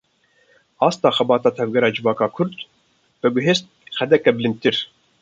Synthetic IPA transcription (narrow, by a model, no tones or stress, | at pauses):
ɑːst̪ɑːxɛbɑːt̪ɑːt̪ʰɛvɡɛɾɑːd͡ʒɨvɑːkɑːkʰʊɾd̪ | b̥ɨɡʊɦeːst̪̚xɛd̪ɛkɛbɨlɨnd̪̚t̪ɨɾ